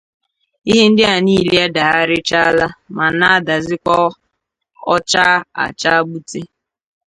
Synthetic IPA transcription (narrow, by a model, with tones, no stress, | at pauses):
i˦ɦe˦n̩˦dɪ˦a˨ni˦˨le˦a˦da˨ɦa˦ɾɪ˦t͡ʃa˦la˦ma˨na˦da˨zɪ˦kʷɔ˦ | ɔ˦t͡ʃa˦a̰˨t͡ʃa˦ɡ͡bu˦te˦